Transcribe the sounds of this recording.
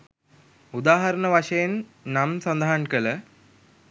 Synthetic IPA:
ud̪aːɦɐɾɐnəʋaʂɐjenːamsɐnd̪aɦaɳkələ

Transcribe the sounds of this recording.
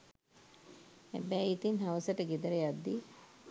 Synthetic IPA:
æ̰bæːit̪inɦaʋəsəʈəɡed̪əɾejad̪ːi

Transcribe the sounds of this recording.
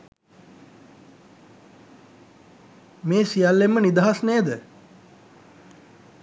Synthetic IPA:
meːsijalːemːənid̪aɦasneːd̪ə

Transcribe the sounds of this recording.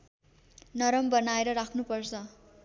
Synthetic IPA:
nʌɾʌmbʌnaeɾʌɾakʰnupʌrt͡sʰʌ

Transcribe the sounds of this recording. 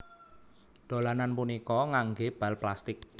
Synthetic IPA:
d̪̥o̤lananpunikɔŋaŋɡeb̥a̤lplast̪ɪk̚

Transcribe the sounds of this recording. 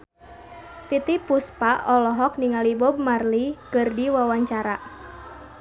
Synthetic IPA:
t̪it̪ipuspaɔlɔɦɔk̚niŋalibɔb̚marlikɨrdiwawaɲt͡ʃaɾa

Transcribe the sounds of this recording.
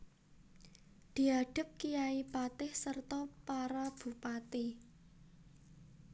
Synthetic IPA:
d̪̥i̤aɖ̥ə̤p̚kijaipat̪ɪhsərt̪ɔpaɾab̥ṳpat̪i

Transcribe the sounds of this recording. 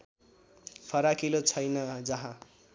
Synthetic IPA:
pʰʌɾakilot͡sʰʌjnʌd͡zʌɦã

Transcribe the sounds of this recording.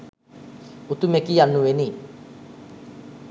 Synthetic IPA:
ut̪umekianːueni

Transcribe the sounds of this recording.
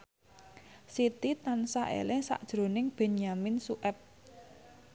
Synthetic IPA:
sit̪it̪ansa̰ʔḛlɪsa̰ʔd̥ʒ̥ɾo̤nɪŋb̥e̤namɪnsuʔɛp̚

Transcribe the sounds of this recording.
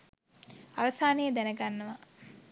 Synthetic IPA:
aʋɐsaːnejəd̪ænəɡanːɐʋa

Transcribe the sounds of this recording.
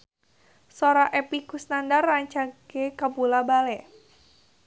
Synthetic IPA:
soɾaʔɛpikusnandarːaɲt͡ʃaɡekapulabalɛ

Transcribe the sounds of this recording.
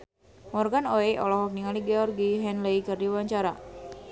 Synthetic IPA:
mɔrɡanoeʔɔ̰lɔɦɔk̚niŋaliɡɛɔrɡiɦɛnləikɨrdiwaɲt͡ʃaɾa̰

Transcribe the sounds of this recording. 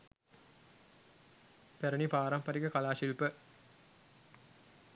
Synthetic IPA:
pæɾənipaːɾɐmpɐɾikəkalaːʃilpə

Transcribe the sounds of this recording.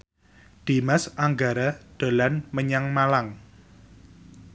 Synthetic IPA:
d̪̥i̤masaŋɡaɾad̪̥o̤lanməɲaŋmalaŋ

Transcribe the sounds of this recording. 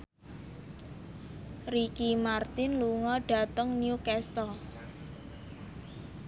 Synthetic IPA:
rikimart̪ɪnluŋɔɖ̥a̤t̪əŋnjukɛst̪ɔ

